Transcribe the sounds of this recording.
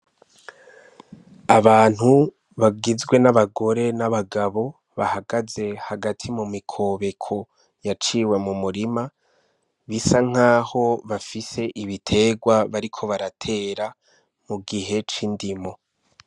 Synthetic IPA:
aβaːn̥hu | βaɡizɡwe̞naβaɡo̞ɾe̞naβaɡaβo̞ | βahaɡaze̞haɡatʰimumikʰo̞βe̞kʰo̞ | jat͡ʃiːwe̞mumuɾima | βisaŋ̥aːho̞βafise̞ʔiβitʰe̞ːɡwaβaɾikʰo̞βaɾatʰe̞ːɾa | muɡiɦe̞t͡ʃindimo̞

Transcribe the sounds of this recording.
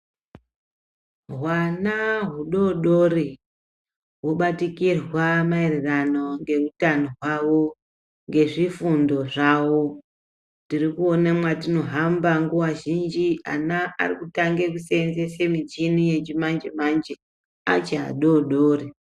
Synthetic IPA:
ɦwanaɦuɗo̞ɗori | ɦuɓatikirwamaerirano̞ŋɡe̞rutanoɦwawo | ŋɡe̞ʐifundo̞ʐawo | ndirikuonamwatino̞ɦambaŋɡuwaʒind͡ʒia̰naa̰rikutaŋɡe̞kuseenze̞se̞mid͡ʒinije̞t͡ʃimand͡ʒemand͡ʒe | a̰t͡ʃea̰ɗoɗoːri

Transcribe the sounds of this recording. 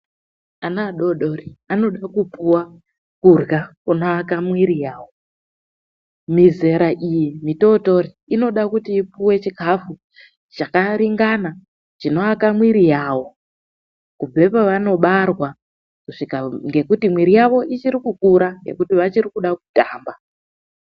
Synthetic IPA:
anaːɗo̞ɗo̞riano̞ɗakupuwa | kurɣakuno̞akamwiɾijaːwo̞ | mize̞ɾaʔijimito̞to̞ɾi | ino̞ɗakutiːpuwe̞t͡ʃikʰafu | t͡ʃakaɾiŋɡana | t͡ʃino̞akamwiɾijaːwo̞ | kub͡ve̞paʋano̞ɓarwa | kuʂikaŋɡe̞kutimwiɾijaʋo̞ʔit͡ʃiɾikukuɾaŋɡe̞̰kutiʋat͡ʃirikuɗaku̥taːmba

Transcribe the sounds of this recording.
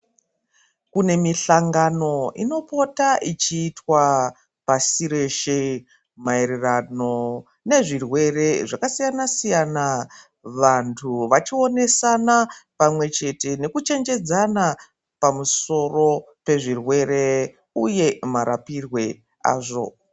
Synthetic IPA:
kune̞miɬaŋɡano̞ino̞po̞taʔit͡ʃiːtwa | pasiɾe̞ʃe̞ | mae̞ɾerano̞ | ne̞ʐirwe̞re̞ʐakasijanasijana | ʋantʰuʋat͡ʃio̞ne̞sanapamwe̞t͡ʃe̞te̞ne̞kut͡ʃe̞nd͡ʒe̞d͡zana | pamuso̞ro̞ | pe̞ʐirwe̞ɾe̞ | uje̞maɾa̰pirwe̞ | a̰ːʐo̞̰

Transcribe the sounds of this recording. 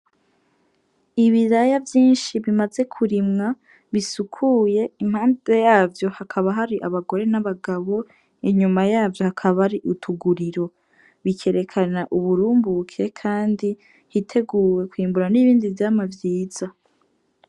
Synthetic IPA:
iβiɾajavjiːnʃiβimaze̞kʰuɾimŋa | βisukʰuje̞im̥haːnde̞jaːvjo̞hakʰaβaɦaɾiʔaβaɡo̞ɾe̞naβaɡaβo̞ | iɲumajaːvjo̞hakʰaβaɾiʔutʰuɡuɾiɾo̞ | βikʰe̞ɾe̞kʰanaʔuβuɾuːmbukʰe̞kʰaːndi | hitʰe̞ɡuːwe̞kwiːmbuɾaniβiːndivjamavjiːz̥a

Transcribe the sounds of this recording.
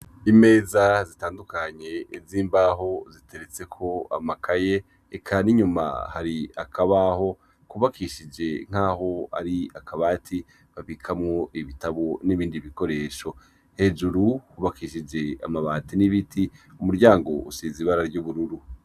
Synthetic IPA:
ime̞ːzazitaːndukaɲe̞ziːmbaɦo̞zitʰe̞ɾet͡se̞kʰo̞a̰makʰajeː | kʰaniɲuma̰haɾia̰kʰaβaho̞ | kuβakʰiʃid͡ʒe̞ŋ̥aːho̞a̰ɾiakʰaβaːtʰi | βaβikʰamŋo̞ʔiβitaβoniβiːndiβiko̞ɾe̞ːʃo̞ | he̞d͡ʒuɾuhuβakiːʃid͡ʒe̞a̰maβaːtiniβitʰiumuɾɟaːŋɡo̞usiːziβaɾaɾɟuːβuɾuɾu

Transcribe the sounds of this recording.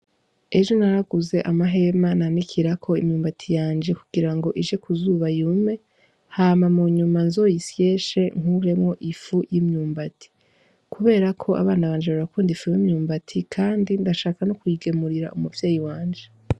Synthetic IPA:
e̞ʒo̞naɾaɡuze̞ʔamaɦe̞mananikʰiɾakʰo̞imɲuːmbatʰijaːnd͡ʒe̞kuɡiɾaŋɡo̞ʔiʒe̞kʰuzuːβajume̞ | haːmamuɲumanzo̞jisije̞ʃe̞ŋ̥uɾe̞mŋo̞ʔifujimɲuːmbatʰi̥ | kʰuβe̞ːɾakʰo̞ʔa̰βaːnaβaːnd͡ʒeaɾakuːndifujimɲuːmbatʰikʰaːndindaʃaːkanokuiɡemuɾiɾa̰ʔumuvjeːjiwaːnd͡ʒe

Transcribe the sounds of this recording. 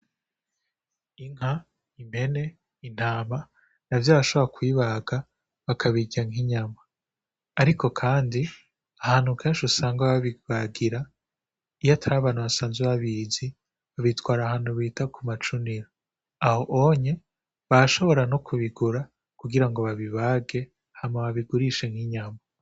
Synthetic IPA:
iŋha | imhe̞ne̞ | in̥aːma | navjaːɾaʃo̞βoɾakwiːβaɡa | βakʰaβiɟaŋiɲamaː | ɾikʰo̞kʰaːndi | ahaːn̥hukʰeːnʃusaːŋɡaβaβiβaɡiɾa | ijatʰaɾaβaːnhuβasaːnzweβaβizi | βaβitwaːɾaɦaːn̥huβiːtakʰumat͡ʃuniɾa | aho̞ʔoɲe̞ | βaaʃo̞βo̞ɾanokuβiɡuɾa | kuɡiɾaŋɡo̞βaβiβaɡe̞ | hamaβaβiɡuɾiʃe̞ŋhiɲama

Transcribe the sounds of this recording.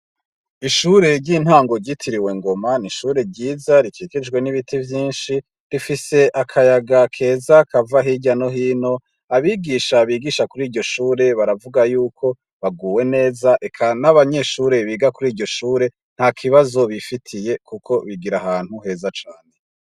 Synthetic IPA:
iʃuːɾe̞ɾɟiːn̥hwaːŋɡo̞ɾɟitʰiɾiwe̞ŋɡo̞maniʃuːɾe̞ɾɟiːzaɾikʰiːɡed͡ʒɡwe̞niβitʰivjiːnʃi | ɾifise̞ʔakʰajaɡakʰe̞ːzakʰavaɦiɟano̞ɦiːno̞ | aβiɡiːʃaβiːɡiʃakuɾiːɾɟo̞ʃuːɾe̞βaɾavuɡajuːkʰo̞ | βaɡuːwe̞ne̞ːzaʔekʰanaβaɲe̞ʃuːɾe̞βiɡakuɾiːɾɟo̞ʃuːɾe̞ | n̥hakʰiβazo̞βifitʰije̞kukʰo̞βiɡiɾaɦaːn̥huɦe̞ːzat͡ʃaːne̞

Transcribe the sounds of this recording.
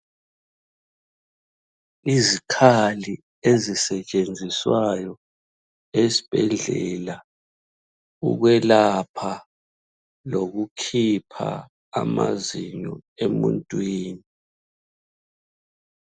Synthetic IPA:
izikʰali | ezisɛt͡ʃʼend͡zʱiswajɔ | esi̥b̥ʱɛɮɛla | ṵɣwɛlapʰa | loɣukʰipʰa̰ː | maziɲɔemṵntʼwiːni

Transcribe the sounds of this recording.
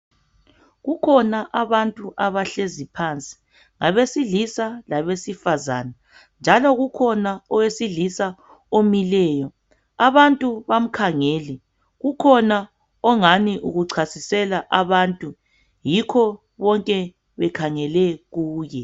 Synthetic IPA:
ɣukʰɔnaʔaβantʼuʔaβaɬezipʰant͡sʼi̥ | ŋaβesiɮisalaβesifaza̰ːna | nd͡ʒʱalɔɣukʰɔnaɔwesiɮisa | omilɛːjɔ | aβantʼuβam̩kʰaŋeːli | ɣukʰɔna | ɔŋaniʔuɣuǀʰasisɛlaʔaβantʼu | jikʰɔ | βɔŋkʼɛ | βɛkʰaŋɛlɛɣuːjɛ

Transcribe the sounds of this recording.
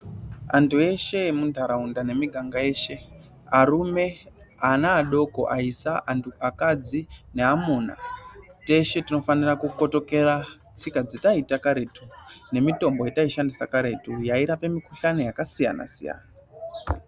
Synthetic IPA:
a̰ntʰue̞ʃe̞mundʱaɾaundane̞miɡʱaŋɡae̞ːʃe̞ | aɾume̞ | anaːɗo̞ko̰ʔaisaʔntuakad͡zine̞amuna̰te̞ʃe̞tino̞fanirakuko̞to̞ke̞ra | t͡sikad͡zitaitakaɾe̞tune̞mito̞mbo̞jetaiʃandisakaɾe̞tujaiɾapemikutanejakasija̰na̰sḭja̰ːna

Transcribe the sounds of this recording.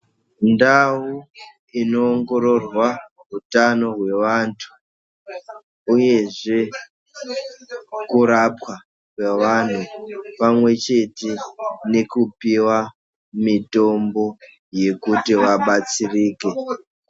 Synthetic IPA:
ndau | ino̞ːŋɡo̞ɾo̞rwa | rutano̞ɦwe̞ʋantʰu̥ | uje̞ʐe̞ | kuɾapwa | kweʋan̤upamwe̞t͡ʃe̞tene̞kupiwa | mito̞mbo̞ | je̞kutiʋaɓat͡siriːke̞

